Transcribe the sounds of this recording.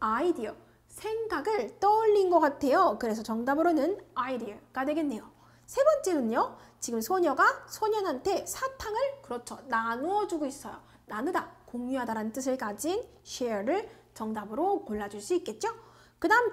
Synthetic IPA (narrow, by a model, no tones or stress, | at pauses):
aidiʌ | sʰe̞ŋɡaɡɯɭt͈ʌʎːinɡʌk͈atʰe̞jokɯɾe̞sʰʌt͡ɕʌŋdabɯɾonɯnaidiʌɡadwe̞ɡe̞nːe̞jo | sʰe̞bʌnt͡ɕ͈e̞nɯnot͡ɕiɡɯmsʰoɲʌɡasʰoɲʌnɦantʰe̞sʰatʰaŋɯɭkɯɾʌt͡ɕʰonanoʌd͡ʑuɡois͈ʌjo | nanɯdakoŋɲuɦadaɾanɯnt͈ɯs̬ʰɯɭk͈ad͡ʑin | ɕʰeʌɾɯɭt͡ɕʌŋdabɯɾokoɭːad͡ʑuɭs͈uik͈̚e̞t̚t͡ɕ͈o | kɯdaɯm